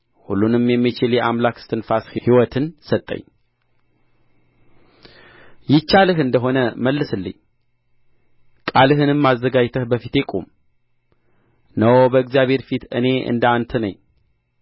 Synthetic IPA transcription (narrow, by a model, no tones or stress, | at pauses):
hulːunɨmjɛmːit͡ʃɪljɛʔamlakst̪ʰɨnfashihiwɔt̪ʰɨnsət̪ʼːə̰ɲː | jɪt͡ʃːalɨɦɨnd̪əɦo̞nəməlːɨsɨlːɨ̰ɲ | kʼalɨɦɨnɨmːazːəɡad͡ʒt̪ʰəhbəfit̪ekʼo̰m | nəwbəɨkzijaβhe̞ɾfit̪ɨ̰ne̞ɨ̰nd̪əant̪ʰənə̰ɲː